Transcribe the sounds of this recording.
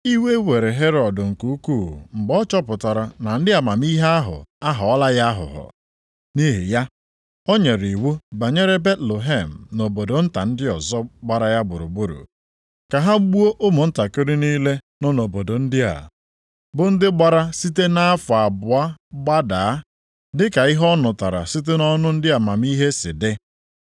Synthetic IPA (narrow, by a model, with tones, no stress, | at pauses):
i˦we˦we˨ɾe˨ɦe˦ɾɔ˨dʊ˨ŋ̩˨ku˨u˦ku˦˨m̩˨ɡ͡bɔ˦t͡ʃɔ˦pʊ˨ta˨ɾa˨na˨n̩˦dɪ˦a˨ma˨mi˦ɦe˦a˦ɦʊ̰˨a˦ɦɔ˨ɔ˦la˦ja˦a˦ɦʊ̰˨ɦʊ̰˨ | ni˦ɦḭ˨ja˦ | o˦ɲe˨ɾi˨wu˦ba˨ɲe˦ɾe˦be˦tlo˨ɦe˦˨m̩˨no˨bo˨do˨n̩˦ta˨n̩˦dɪ˦ɔ˨zɔ˦ɡ͡ba˦ɾa˦ja˦ɡ͡bʊ˨ɾʊ̰˨ɡ͡bʊ˦ɾʊ̰˨ | ka˨ɦa˦ɡ͡bu˦o˦ʔʊ˦mʊ˨n̩˦ta˨kɪ˦ɾɪ˦niː˦le˦ | nɔ˦no˨bo˨do˨n̩˦dɪ˦a̰˨ | bʊ˦n̩˦dɪ˦ɡ͡ba˨ɾa˦si˦te˦na˦a˦fʊ˨a˨bʊ˨a˦ɡ͡ba˦da˨a˦ | dɪ˦ka˨i˦ɦɔ˦nʊ˨ta˨ɾa̰˨si˦t̬e˦nɔ˦nʊ˦n̩˦dɪ˦a˨ma˨mi˦ɦe˦sɪ˨dɪ˦